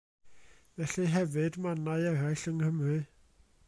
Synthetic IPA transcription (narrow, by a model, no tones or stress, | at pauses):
vɛɬiɦɛvɨdmanaɨɛɾajɬəŋhəmrɨ